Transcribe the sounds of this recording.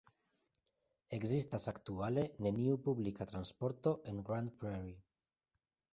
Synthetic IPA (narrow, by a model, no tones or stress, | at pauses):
e̞ɡzist̪asakt̪uale̞neniupuβlikat̪ɾanspo̞ɾt̪o̞ʔeŋɡɾand̪pɾeɾi